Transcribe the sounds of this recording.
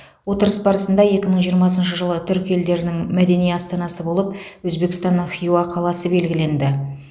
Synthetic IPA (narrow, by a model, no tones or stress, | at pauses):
wot̪əɾəsbɑɾəsənd̪ɑje̞kʲɪməɴʒijəɾmɑs̬ənʃəʒəlˠət̪ʰʏɾkʲe̞ld̪e̞ɾɪnɪŋmæd̪e̞nijɑst̪ɑnɑsəbo̞lˠəp̚wɵzbe̞kst̪ɑnːəɴχijuɑqʰɑlˠɑsəbe̞lɡʲɪle̞nd̪ɪ